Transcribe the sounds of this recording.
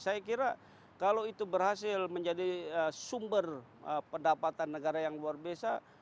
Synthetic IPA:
sajakiɾa | kaloit̪ubərhasɪlməɲd͡ʒadiəsumbər | əpəndapat̪anːəɡaɾajaŋluarbiasa

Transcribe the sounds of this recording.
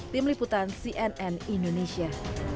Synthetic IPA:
t̪ɪmliput̪ansiʔɛnɛnindonesia

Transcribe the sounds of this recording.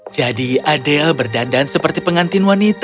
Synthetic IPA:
d͡ʒadiadɛlbərdandansəpərt̪ipəŋant̪inwanit̪

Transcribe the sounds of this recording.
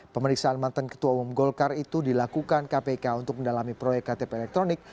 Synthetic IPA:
pəməɾiksaanmant̪ankə̥t̪uaumumɡɔlkarit̪udilakukankapekaunt̪ʊk̚məndalamipɾojɛkːat̪epeɛlɛk̚t̪ɾonɪk̚

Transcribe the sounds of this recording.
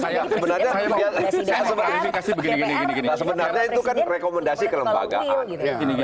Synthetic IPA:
sjasəbənarɲaialsaasəbəikasɪbəɡnnnasəbənarɲait̪ukanrekoməndasikələmba̰ɡa̰ʔain

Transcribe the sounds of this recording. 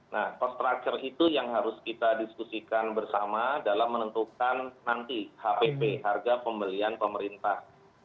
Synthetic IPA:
nahkɔst̪ɾak̚t͡ʃərit̪ujaŋɦaɾʊskit̪adiskusikanbərsamadalamːənənt̪ukanːant̪ihapepeɦarɡapəmbəlianpəməɾint̪ah

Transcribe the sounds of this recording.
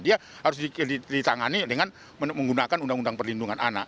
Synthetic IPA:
diahaɾʊs̬diidit̪aŋanidəŋan | məməŋɡunakanundaŋundaŋpərlinduŋanana̰ʔ

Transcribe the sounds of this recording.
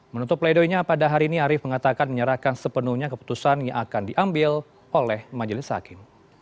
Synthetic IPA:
mənut̪ʊpːlaidoiɲapadaɦaɾiːniaɾɪfməŋat̪akanməɲəɾahkansəpənuhɲakəpu̥t̪usanjaŋakandiʔambɪl | ʔolɛhmad͡ʒəlɪsːa̰kɪm

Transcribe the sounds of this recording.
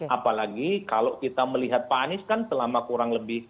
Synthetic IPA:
ʔapalaɡikaloʔkit̪aməliɦat̪̚panɪskansəlamakuɾaŋləbɪh

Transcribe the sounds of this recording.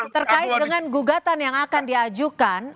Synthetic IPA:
t̪ərkaɪt̪̚dəŋanɡuɡat̪anjaŋakandiad͡ʒukan

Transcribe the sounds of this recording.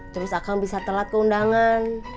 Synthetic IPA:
t̪əɾʊsakaŋbisat̪əlat̪̚kəundaŋan

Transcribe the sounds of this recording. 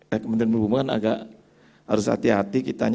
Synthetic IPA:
jakəmənt̪ɪɾənbubumakana̰ɡaʔ | ha̰ɾʊsha̰t̪iɦat̪ikit̪aɲ

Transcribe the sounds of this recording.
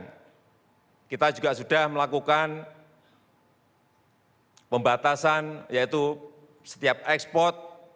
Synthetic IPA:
kit̪ad͡ʒuɡaʔsudahməlakukan | pəmbat̪asanjait̪u | sə̥t̪iap̚ɛkspɔrt̪̚

